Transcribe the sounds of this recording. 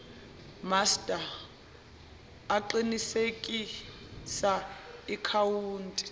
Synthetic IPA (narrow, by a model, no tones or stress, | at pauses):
mastʼa | ǃinisekʼisaikʰawuːntʼi̥